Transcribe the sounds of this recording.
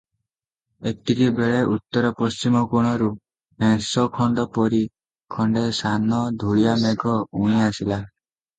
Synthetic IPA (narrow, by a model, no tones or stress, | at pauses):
ek̚t̪ikibeɭeʔut̪ːɔɾɔpɔst͡ʃimɔkuɽ̃ɔɾu | mɛ̃sɔkʰɔɳɖɔpɔɾi | kʰɔɳɖesanɔd̪ʱuɭijameɡʱɔũĩasila